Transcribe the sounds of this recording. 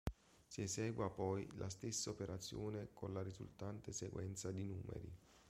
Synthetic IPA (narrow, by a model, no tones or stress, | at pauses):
siezɛːɡwapɔjlʔa̰st̪esːaopeɾat̪sːjoːnekʰonlaɾizṵlt̪ant̪eseɡwɛnt̪sad̪inuːmḛɾḭ